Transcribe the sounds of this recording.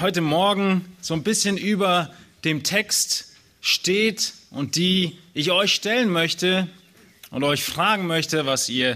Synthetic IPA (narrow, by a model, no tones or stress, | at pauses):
hɔʏtəmɔɐɡŋ̩z̥oːnbɪsçənʔyːbɐd̥eːmtʰɛkst | ʃteːtʔʊnt̚d̥iːʔɪçʔɔʏçʃtɛlənmœçtə | ʔʊ̰ntɔʏçfʁ̥aːɡŋ̩mœçtəvasiːɐ